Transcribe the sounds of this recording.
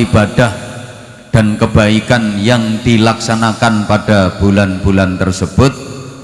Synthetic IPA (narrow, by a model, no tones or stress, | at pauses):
ibad̥ah | d̥ankəb̥aikanjaŋd̥ilaksanakanpad̥ab̥ulanb̥ulant̪ərsəb̥ʊt̪̚